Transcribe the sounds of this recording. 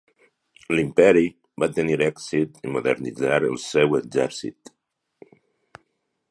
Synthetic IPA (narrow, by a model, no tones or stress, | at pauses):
limpɛɾi | bat̪əniɾɛksit̪imuðə̰ɾnid͡zaɾə̰lˠsɛweɡzɛɾsḭt̪